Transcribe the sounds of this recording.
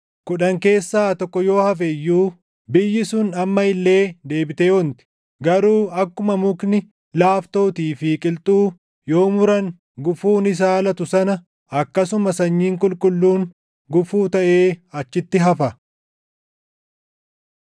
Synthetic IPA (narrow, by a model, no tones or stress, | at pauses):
kʊᶑɐŋke̞ːsːaːt̪ɔkːɔjo̞ːhɐf̬ɛjːuː | bɪjːɪsʊnɐmːɐɪlːe̞ːd̪e̞ːbɪt̪eːɔnt̪ɪ̥ | ɡɐɾuːɐkːʊmɐmʊknɪ | laːft̪o̞ːt̪iːfɪkʼɪlt̪ʼuː | jo̞ːmʊɾɐŋ | ɡʊfuːnɪs̬aːlɐt̪ʊsɐnɐ | ɐkːɐsʊmɐsɐɲːiːŋkʼʊlkʼʊlːuːŋ | ɡʊfuːt̪ɐʔe̞ːɐt͡ʃːɪt̪ːɪɦɐfɐ